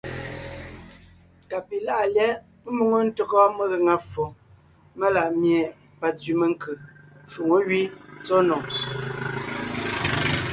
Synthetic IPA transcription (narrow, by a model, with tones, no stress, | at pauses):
ka˨pi˨la˦˨ʔljɛ˦ | mu˦ŋo˦n̩˦tə˦kɔ˦mə˦ɣe˨ŋa˨fo˨ | mə˦la˨ʔmje˨ | pa˨t͡sɥi˨mə˦˨ŋ˦kʰɯ˨ʃu˨ŋo˦ɥi˦t͡so˦nɔ˨ŋ